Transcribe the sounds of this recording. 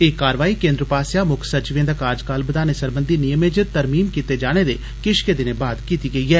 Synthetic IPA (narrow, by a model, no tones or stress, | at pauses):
eːkaːɾʋaːiːkẽːnd̪ɾəpaːsjaːmʊkʰsət͡ʃɪʋẽnd̪əkaːɾd͡ʒkaːlbəd̪aːnesəɾbənd̪iːnɪjəmeːd͡ʒət̪əɾmiːmkiːt̪eːd͡ʒaːɽ̃eːd̪ḛː | kɪʃked̪ɪneːbaːd̪kiːt̪iːɡəiːɦɛː